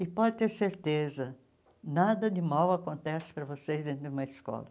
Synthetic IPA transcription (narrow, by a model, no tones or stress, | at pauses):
ɪpɔd̪ɪt̪eɾseɾt̪ezɐ | nad̪ɐd̪ɪmawakõnt̪ɛsɪ̥pɾɐvosejzd̪ẽnt̪ɾʊd̪ũmɐiskɔ̰lɐ